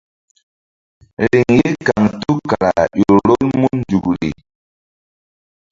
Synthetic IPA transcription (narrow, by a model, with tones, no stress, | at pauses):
li˨ŋji˦ka˨ŋtu˦ka˨ɾa˨jo˨ɾɔ˦nmu˦n˦d͡ʒu˨kɾḭ˨